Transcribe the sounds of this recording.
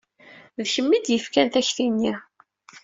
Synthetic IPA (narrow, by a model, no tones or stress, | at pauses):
ðçəmːid̪jəfkænθæçθinːi